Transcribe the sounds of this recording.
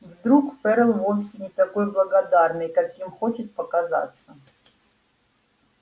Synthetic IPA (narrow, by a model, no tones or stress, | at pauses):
vd̪ɾukpɛɾəlˠvonsʲɪnʲɪt̪ɐkojblˠəɡɐd̪arnɨjkakjimxot͡ɕɪt̪̚pəkɐza̰t̪sːə